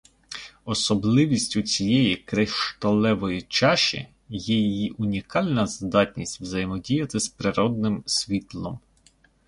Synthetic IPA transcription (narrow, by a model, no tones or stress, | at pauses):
ɔsɔblˠɪʋʲisʲtʲʊt͡sʲijɛjikɾeʃt̪ɔlˠɛʋɔjit͡ʃɑʃḭ | jɛjijiʔʊnʲikɑlʲnɐzd̪ɑtʲnʲisʲtʲʋzɐjmɔdʲijɐt̪ɪspɾɪɾɔd̪̚nɪmsʲʋʲit̪lˠɔm